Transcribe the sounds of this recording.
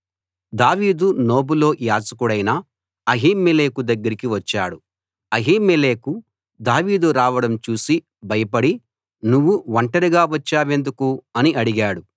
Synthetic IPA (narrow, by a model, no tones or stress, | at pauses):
d̪aːʋiːd̪uno̞ːbulo̞ːjaːt͡ʃɐkuɽɐjnaː | ɐɦiːmːele̞ːkud̪ɐɡːɐɾikiʋɐt͡ʃːaːɽu | ɐɦiːmːele̞ːku | d̪aːʋiːd̪uɾaːʋɐɽɐmt͡ʃuːsi | bɐjɐpɐɽi | nuʋːuʋɐɳʈɐɾiɡaːʋɐt͡ʃːaːʋe̞nd̪ukuɐniʔɐɽiɡaːɽu